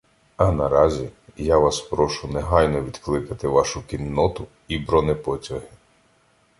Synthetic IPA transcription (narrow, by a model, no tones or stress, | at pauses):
ɐnɐɾɑzʲijaʋɑspɾɔʃʊnɛɦɑjnɔʋʲid̪klˠɪkɐt̪ɪʋɑʃʊkinːɔt̪ʊ | ibɾɔnɛpɔtʲɐɦɪ